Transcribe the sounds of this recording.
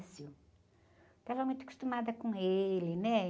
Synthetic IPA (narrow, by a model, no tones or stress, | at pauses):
sjʊ | t̪avɐmũj̃t̪ʊɐku̥st̪umad̪ɐkõelɪnɛ